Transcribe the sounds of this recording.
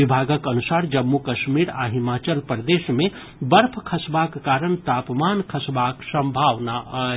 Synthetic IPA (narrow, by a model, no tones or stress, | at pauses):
ibʱaɡəkənusaɾd͡ʒəmːukəʃmiɾa̰ɦimaːt͡ʃəlpɾəd̪esme | bəɾpʰkʰəsbakːaːɾənt̪aːpmankʰəsbaksəmbʱaʋnaʔ